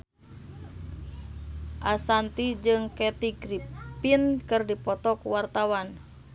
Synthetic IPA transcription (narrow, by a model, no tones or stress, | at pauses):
ʔasant̪id͡ʒɨŋkɛt̪iɡɾipinkɨrdipɔt̪ɔkuwart̪awan